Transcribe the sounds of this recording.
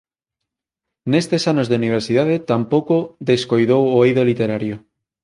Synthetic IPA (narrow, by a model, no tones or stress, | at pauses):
nest̪esanozðeuniβ̞eɾsið̞að̞et̪ampowkoðeskojðowoejðolit̪eɾaɾjo